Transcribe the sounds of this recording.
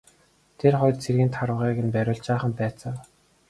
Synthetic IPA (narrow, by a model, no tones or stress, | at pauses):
t̪ʰerχʊjt̪̚t͡sʰerɣĭːnt̪ʰaɾwə̆ʁiːɣɘ̆npæɾʲʊːɮt͡ɕaːχə̆mpæːt͡sə̆w